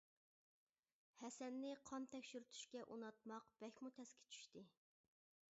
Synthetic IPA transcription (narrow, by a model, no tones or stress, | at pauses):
hɛsɛnːɪqʰɑnt̪ʰɛkʲʃyɾyt̪ʰy̥ʃkʲɛʔunɑt̪̚mɑqb̥ɛkʲmut̪ʰɛskʲʰi̥t͡ʃʰy̥ʃt̪ɨ